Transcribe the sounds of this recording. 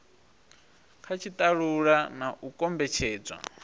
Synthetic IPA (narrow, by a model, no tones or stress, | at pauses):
kʰat͡ʃʰit̪ʼaɺuɺanaʔukʼɔmbɛt͡ʃʰɛːd͡zwa̰